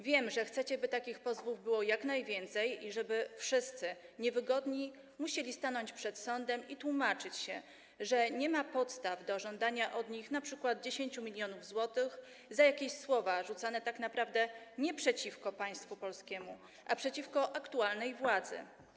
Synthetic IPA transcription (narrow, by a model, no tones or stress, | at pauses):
vʲjɛmʐɛxt̪sɛt͡ɕɛbɘt̪akʲixpɔzvuvbɘwɔjaknajvʲjɛnt̪sɛjiʐɛbɘfʂɘst̪sɘɲɛvɘɡɔd̪ɲi | muɕelʲist̪anɔɲt͡ɕpʂɛt̪sɔnd̪ɛmit̪wumat͡ʂɘt͡ɕɕɛ | ʐɛɲɛmapɔt̪st̪avd̪ɔʐɔnd̪aɲaʔɔd̪ɲixnapʂɘkwad̪̚d͡ʑeɕeɲt͡ɕumʲilʲjɔnuvzwɔt̪ɘx | zajakʲeɕswɔvaʐut̪sanɛt̪aknapɾavd̪ɛɲɛpʂɛt͡ɕifkɔpaj̃st̪fupɔlskʲɛmu | ʔapʂɛt͡ɕifkɔʔakt̪ualnɛjvwad̪zɘ̰